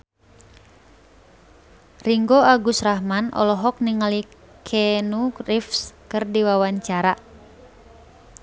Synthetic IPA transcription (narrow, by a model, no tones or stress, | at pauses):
riŋɡoaɡusraɦmanɔ̰lɔɦɔk̚niŋali | kʰɛnurifskɨrdiwawaɲt͡ʃaɾa